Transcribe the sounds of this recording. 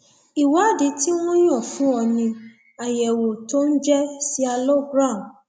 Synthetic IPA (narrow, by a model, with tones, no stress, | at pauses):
i˨wa˨˦˨di˨˦ti˦w̃ɔ̃˦j̃ɔ̃˦˨fũ˨˦ɔ˧nĩ˧ | a˨jɛ˨wo˨to˦n̩˦d͡ʒɛ˦si˦a˧lɔ˦bɾa˦˨m˨